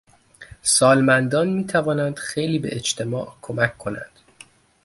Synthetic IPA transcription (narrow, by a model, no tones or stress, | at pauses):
sɒːlmænd̪ɒːnmiːt̪ʰævɒːnænd̪̥xe̞jliːbe̞̰ʔet͡ʃt̪ʰe̞mɒːʔkʰo̞mæcʰkʰːo̞næ̰nd̪̥